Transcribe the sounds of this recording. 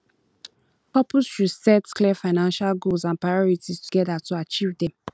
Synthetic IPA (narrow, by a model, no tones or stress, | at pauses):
pɔpsʃusɛtklɛfaɪnãnʃalɡolsãnpɹaɪjɔɹitistuɡɛdatuat͡ʃivdɛ̃m